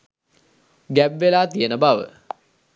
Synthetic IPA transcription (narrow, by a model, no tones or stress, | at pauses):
ɡæbʋelaːt̪ijənəbaʋə̰